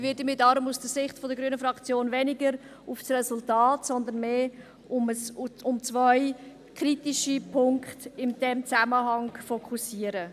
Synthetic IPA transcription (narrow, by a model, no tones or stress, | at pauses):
vɪdəmɪdɑɾʊmusd̥əsɪχtfɔdəɡɾyːənəfɾɑkt͡sjoːnvɛnɪɡəɾ | ufsrɛsultɑːtsɔnd̪ənmeː | ʊməsʊmt͡svœɪ | kʰɾitiʃipʰʊŋkχtɪmd̥ɛmt͡saməɦɑŋfokʰusiəɾə